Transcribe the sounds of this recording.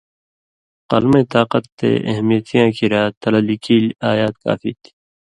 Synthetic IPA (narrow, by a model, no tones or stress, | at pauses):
qɐ̰lmẽːt̪aːqʌt̪ːḛːʔɐ̰ɦmijət̪ʰijãːkʰiɾaːt̪ːɐlɐlikiːlaːjaːt̪̚ka̰ːfit̪ʰi̥